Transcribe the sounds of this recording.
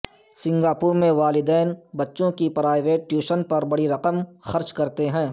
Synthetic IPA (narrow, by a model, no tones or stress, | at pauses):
sɪ̃ŋɡaːpʊɾmẽʋaːlɪd̪ɛːnbɐtːʃõkipɾaːɪʋeːʈːjuːʃənpɐɾbɐɽiɾɐqəmxɐɾt͡ʃkɐɾt̪eɦɛ̃ː